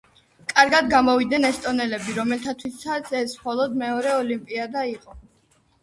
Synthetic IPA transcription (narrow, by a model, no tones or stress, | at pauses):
kʼaɾɡad̪ɡamɔvid̪nɛnɛst̪ʼɔnɛlɛbiɾɔmɛlt̪ʰat̪ʰwisat̪sʰɛsmχɔlˠɔd̪mɛɔɾɛɔlimpʼiad̪aiqʼɔ